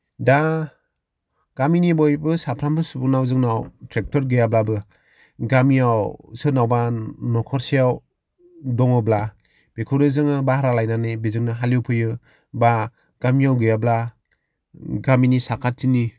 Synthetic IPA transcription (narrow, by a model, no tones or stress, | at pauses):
da | ɡ̥aminibɔjbɯsapʰɾambʰɯsubɯnawzɯŋnawtʰɾek̚tʰɔɾɡɯjablabɯ | ɡamijawsɯnawbanɔkʰɔɾsijaw | dɔŋɯbla | b̥ekʰɯɾɯzɯŋɯbahɾalajnanɯbezɯŋnɯɦaluwpʰɯjɯ | ba | ɡ̥amiawɡɯjabla | ɡaminisakʰat̚ʰːini